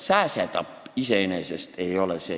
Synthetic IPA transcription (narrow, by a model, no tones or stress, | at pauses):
sæːset̪ɑpːise̞enese̞st̪e̞jo̞leseː